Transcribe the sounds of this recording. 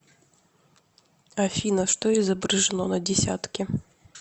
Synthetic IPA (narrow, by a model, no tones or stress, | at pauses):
ɐfʲinɐʂt̪ɔizɐbɾɐʐɨnɔnɐd͡zʲɛsʲa̰t̪kʲi